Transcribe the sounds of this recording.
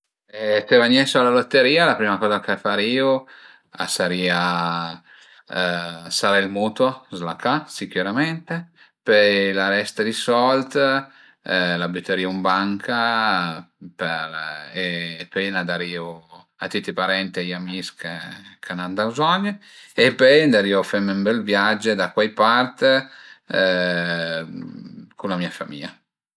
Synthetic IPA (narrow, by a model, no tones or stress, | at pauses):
ɛt̪evaɲɛsoalalot̪ːeɾiːalapɾiːmakɔːzakefaɾiːu | a̰saɾiːa | saɾailmuːt̪wozlakasikuɾamɛnt̪e | pelaɾɛst̪ad̪isɔlt̪ | labyt̪ːeɾiːaumbaŋkʰa | peɾeːpenad̪aɾiːo | at̪ːit̪ːipaɾɛnt̪ajamiskekʰanand̪awzɔɲːə | epɛjnd̪aɾiːofɛmmbɛlvjad͡ʒed̪akwajpart̪ | kunlamiafa̰mḭa